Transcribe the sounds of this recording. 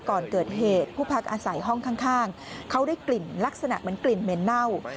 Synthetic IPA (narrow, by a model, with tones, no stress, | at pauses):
kɔː˨˩nkɤː˨˩t̪̚ɦeː˨˩t̪̚pʰuː˥˩pʰa˦˥k̚ʔaː˧sa˨˩˦jɦɔ˥˩ŋkʰaː˥˩ŋkʰaː˥˩ŋ | kʰa˦˥wdaː˥˩jkli˨˩nla˦˥k̚sa˧na̰˨˩ʔma˩˦nkli˨˩nme˨˦nːa˥˩w